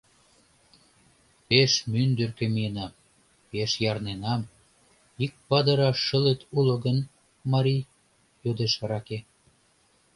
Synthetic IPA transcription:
peʃmynd̪ørkĕmijenɑm | peʃjɑrnenɑm | ik̚pɑd̪əɾɑʃəlet̪ʰulŏɡən | mɑɾi | jod̪eʃɑɾɑke

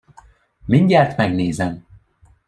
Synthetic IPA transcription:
miɲɟɛrt̪mɛɡneːzɛm

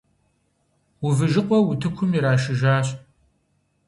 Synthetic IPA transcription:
wʊvɨʒɪqʷʼɔwʊtʰɨkʷʰʊmiɾaːʃɪʒaːɕ

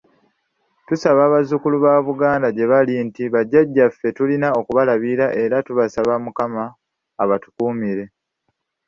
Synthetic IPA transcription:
tusaβaːβazukuluβaːβuɡaːndaɟe̞βalintiβaɟːaɟːafːe̞tulinao̞kuβalaβiɾaʔe̞ɾatuβasaβamukamaː | βatu̥kuːmiɾe̞

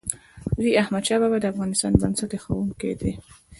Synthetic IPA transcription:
ɾiahmad̪ʃɑbabad̪əafɣɑnɪst̪ɑ̰nbansat̪exawumkḛd̪i

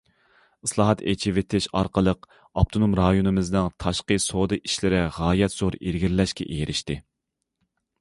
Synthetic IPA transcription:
ɨslˠɑːɦɑt̪et͡ʃʰivɪt̪ʰɪʃɑ̰ɾqəlˠəq | ɑp̚t̪ʰonumɾɑjonɨmɨznɨŋt̪ʰɑʃqəsod̪ɨʔiʃlɪɾɪʁɑːjɛt̪z̥oɾiɾɡʲiɾlɛʃkʲɛ̰ʔejɾʔɪʃt̪ɪ

